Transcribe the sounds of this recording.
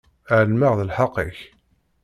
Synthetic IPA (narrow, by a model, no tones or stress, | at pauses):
ʕəlmaʁðəlħɑqːiç